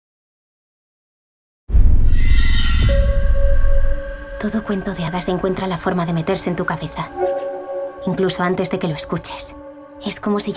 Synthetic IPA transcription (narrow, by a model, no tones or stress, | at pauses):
t̪o̞ðo̞kwe̞nt̪o̞ðeaðase̞ŋkwe̞nt̪ɾalafo̞ɾmaðe̞me̞t̪e̞ɾsent̪ukaβe̞θa | iŋkluso̞ant̪e̞zðe̞ke̞lo̞e̞skut͡ʃe̞̥s | e̞sko̞mo̞si